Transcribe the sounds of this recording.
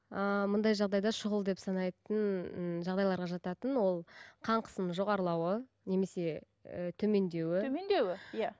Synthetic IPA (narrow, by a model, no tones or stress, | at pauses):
əmʊnd̪ɑjʒɑʁd̪ɑjd̪ɑʃʊʁəlˠd̪epsɑnɑjt̪ənʒɑʁd̪ɑjlˠɑɾʁɑʒɑt̪ɑt̪ənwo̞lˠqʰɑɴqʰə̥səmʒo̞ʁɑɾlˠɑwə | ne̞me̞se̞ | ət̪ʰɵme̞nd̪e̞wɪmnd̪ewɪja